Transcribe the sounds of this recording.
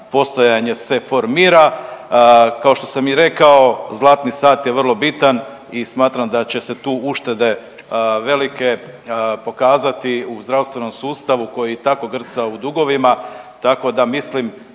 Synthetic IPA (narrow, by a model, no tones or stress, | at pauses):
po̞st̪ojaɲe̞se̞fo̞ɾmiːɾa | kao̞ʃt̪o̞samiɾe̞kao̞zlˠaːt̪nisaːt̪je̞ʋər̩lˠo̞bit̪an | ismaːt̪ɾamd̪at͡ɕe̞se̞t̪uːuʃt̪e̞d̪e̞ | ʋe̞like̞ | po̞kaːzat̪iuzd̪ɾawst̪ʋeno̞msuːst̪aʋuko̞jit̪ako̞ɡr̩t̪saud̪uɡo̞ʋimat̪ako̞d̪amislim